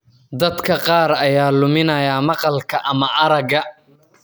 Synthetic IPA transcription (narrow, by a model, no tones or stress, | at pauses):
d̪ɐd̪kʰɐqɑːɾɐjaːlʊmɪnɐjaːmɑqɑlkʰɐʔɐmɐʔɐɾɐɡɐ